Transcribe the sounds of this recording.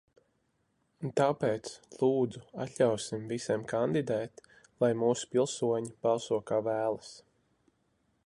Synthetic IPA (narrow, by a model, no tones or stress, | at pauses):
nt̪aːpeːt̪slˠuːd̪zua̰t̪ʲlʲawsimvisʲiɛmkand̪id̪ɛːt̪ | lˠajmuːsu̥pilˠsuɔɲib̥alˠsuɔkaːvæːlˠas